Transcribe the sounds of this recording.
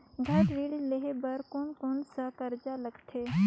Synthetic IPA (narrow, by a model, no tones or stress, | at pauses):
ɡʱɐɾʋiːɽleɦebɐɾkoːnkonsəkɐɾd͡ʒalɐɡt̪ʰeː